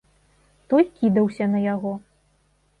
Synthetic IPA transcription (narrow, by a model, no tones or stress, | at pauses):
t̪ɔjkʲid̪ɐwsʲɐnɐjaɣɔ